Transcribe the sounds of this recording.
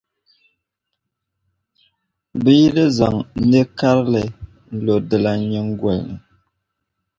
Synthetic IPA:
bi˦lə˦za˨ŋ̩˦ne˦ka˦ɾlɛ˨ | n̩˦˨lo˨də˨la˨ɲə˦ŋ̩˦ɡwɛ˨lnə˨

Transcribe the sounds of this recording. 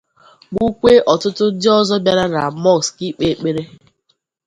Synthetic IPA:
ɡ͡bu˦kʷe˦ʔɔ˨tʊ˦tʊ˦dɪ˦ɔ˦zɔ˦bja˦ɾa˦na˨mɔ˦˨kski˦k͡pe˨˦k͡pe˦ɾe˦

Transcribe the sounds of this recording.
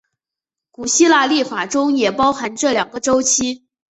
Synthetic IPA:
ku˨˩ɕi˥la˥˧li˥˩fa˨˩ʈ͡ʂʊ˥ŋjɛ˨˩pɑ˥ʊxa˧˥nʈ͡ʂɤ˥˩ljɑ˨˩ŋɡə˧˦ʈ͡ʂo˥ʊt͡ɕʰi˥

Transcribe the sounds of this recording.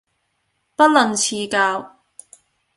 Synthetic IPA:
pɐ˥t̚lɔ˨˩nt͡sʰiː˧kaː˧w

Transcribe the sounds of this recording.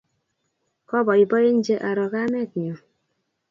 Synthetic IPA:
kɔ˦bɔ˨i˨bɔ˦je˦n̩˦d͡ʒe˦ʔa˨ɾɔ˨ka˦mɛ˦˨t̚ɲɔ˨

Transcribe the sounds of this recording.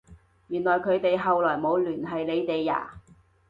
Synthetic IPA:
jyː˨˩nlɔː˨˩jkʰɵ˨˧˥ɥt̪e˨jɦɐ˨wlɔː˨˩jmo˨˧wlyː˨˩nɦɐ˨jle˨˧jt̪e˨jːa̰ː˨˩

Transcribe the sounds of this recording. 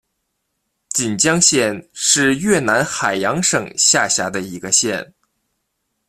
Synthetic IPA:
t͡ɕi˨˩nt͡ɕjɑ˥ŋɕjɛ˥˧nʂɻ̩˥˧jɥɛ˥˩na˧˥nxa˨˩ɪjɑ˧˥ŋʂɤ˨˩ŋɕja˥˧˩ɕja˧˥d̪ə˧i˧˥ɡə˧ɕjɛ̰˥˩n

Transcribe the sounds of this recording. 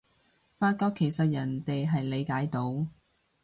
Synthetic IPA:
faː˧t̚kɔː˥kʰe˨˩jsɐ˨t̚jɐ˨˩nt̪e˨jɦɐ˨jle˨˧jkaː˨˥jt̪o˨˧˥w

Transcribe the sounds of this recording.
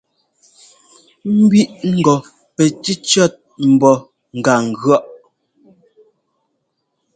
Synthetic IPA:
m̩˦bɥi˦ʔŋ̩˦˨ɡɔ˨ | pɛ˨ti˦t͡ʃɔ˦˨t̚m̩˨bɔ˨ | ŋ̩˨ɡa˨ŋ̩˨ɡɔ˦ʔ

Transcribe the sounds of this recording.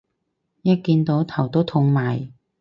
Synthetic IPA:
jɐ˥t̚kiː˧nt̪o˨˥wt̪ʰɐ˨˩wt̪o˥wt̪ʰʊ˧ŋmaː˨˩j

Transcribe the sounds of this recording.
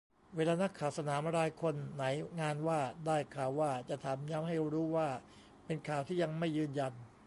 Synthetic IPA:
weː˧laː˧na˦˥kʰːaː˨˩wsa˧naː˩˦mɾaː˧jkʰo˧nːa˩˦jŋaː˧nwaː˥˩daː˥˩jkʰaː˨˩wːaː˥˩t͡ɕa˨˩ʔt̪ʰa˨˩˦mjaː˦˥mha˥˩jɾuː˦˥waː˥˩ | pe˧nkʰaː˨˩wt̪ʰiː˥˩ja˧ŋma˥˩jːɯː˧nja˧n

